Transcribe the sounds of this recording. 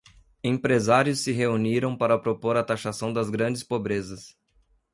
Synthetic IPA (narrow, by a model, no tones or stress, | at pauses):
ẽpɾezaɾjʊsːɪɦeuniɾɐ̃w̃paɾɐpɾopoɾat̪aʃasɐ̃w̃d̪ɐzɡɾɐ̃d͡ʒɪspobɾezɐs